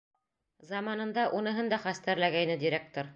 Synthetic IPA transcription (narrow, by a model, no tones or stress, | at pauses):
zɑmɑnɤ̆nd̪ɑʔunɤ̆ɦɤnd̪ɑχæst̪æɾlæɡæjnɘd̪iɾʲek̚t̪oɾ